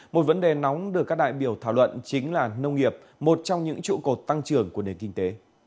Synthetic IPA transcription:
mo˨˩t̚və˨˦nɗe˨˩nɔ˨˦wŋ͡mɗɨ˨˩əkːaː˦˥k̚ɗa̰ː˧˨jɓi˧˩əwt̪ʰaː˧˩wlwə̰˧˨nt͡ɕï˨˦ŋ̟laː˨˩nə˧wŋ͡mŋi˨˩əp̚ | mo˨˩t̚t͡ɕɔ˧wŋ͡mɲɨ̰˧˥ŋt͡ɕṵ˧˨ko˨˩t̚t̪a˧ŋt͡ɕɨ˨˩əŋku˧˩əne˨˩nkï˧ŋ̟t̪e˨˦

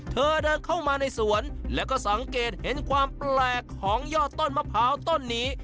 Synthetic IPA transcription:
t̪ʰɤː˧dɤː˧nkʰa˥˩wmaː˧na˧jsu˩˦ənlɛː˦˥wkɔː˥˩sa˩˦ŋkeː˨˩t̪̚he˩˦nkʰwaː˧mplɛː˨˩kʰːɔː˩˦ŋjɔː˥˩t̪ːo˥˩nma˧˩pʰaː˦˥wt̪o˥˩nːiː˦˥

